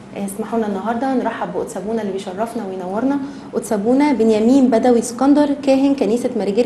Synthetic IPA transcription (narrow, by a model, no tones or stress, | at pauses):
nesmaħuːnænːɑɦɑɾˤd̪ˤɑneɾˤɑħːɑboʔot̪sæbuːnælːibejʃɑrˤːɑfnæwejenæwːɑɾˤnɑ | ʔot̪sæbuːnæbenjæmiːnbæd̪æwiskɑnd̪ɑɾˤkæːɦenkæniːsæmæɾiɡe